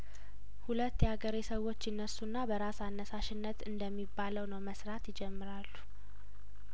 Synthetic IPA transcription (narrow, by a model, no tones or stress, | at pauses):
hulət̪ːjɛaɡəɾisəwːo̞t͡ʃːjɪnːəsːunːabəɾasanːəsaʃɪnːət̪ɨnd̪əmːibːaləwnəwməsɾat̪jɪd͡ʒɛmːɨɾalːu̥